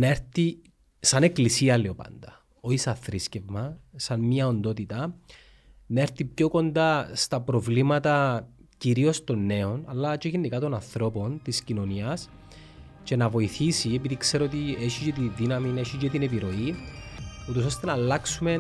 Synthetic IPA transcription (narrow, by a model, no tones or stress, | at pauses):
nɐe̞ɾθi | sɐne̞klisiɐleopɐ̰nd̪ɐ | oisɐθɾisce̞vmɐsɐnmɲɐo̞nd̪o̞t̪it̪ɐ | nɐe̞ɾθipço̞ko̞nd̪ɐst̪ɐpɾo̞vlimɐt̪ɐ | ciɾio̞st̪o̞nːe̞o̞nɐ̰lːɐt͡ʃoʝinːikɐt̪o̞nɐnθɾo̞po̞nt̪iscino̞niɐs | ce̞nɐvo̞iθisiepiðikse̞ɾoot̪ieʃicet̪iðinɐmineʃit͡ʃet̪inepiɾo̞i | ut̪o̞s̬o̞st̪e̞nɐːlːɐksume̞